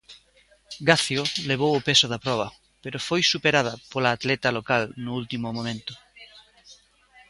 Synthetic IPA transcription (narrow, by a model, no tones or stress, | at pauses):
ɡaθjoleβ̞owʊpesʊðɐpɾɔβ̞ɐ | peɾʊfojsupeɾað̞ɐpolaːt̪lɛt̪ɐlokalnʊult̪imʊmõmẽnt̪ʊ̥